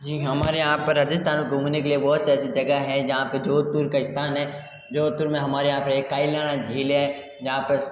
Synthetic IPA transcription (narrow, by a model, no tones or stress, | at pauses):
d͡ʒiːɦɐmaːɾeɦãːpːɐɾːad͡ʒɪst̪ʰaːnẽkɦuːnekeliebɔɦʊt̪sɛsid͡ʒɐɡaɦɛd͡ʒɐɦãpɐd͡ʒoːt̪uːɾkaɪst̪ʰaːnɦɛ | d͡ʒoːt̪uːɾmẽɦɐmaːɾeɦãːpɾekːaːɪlaːɽ̃ad͡ʒʱiːla | d͡ʒɐɦãpɐɾ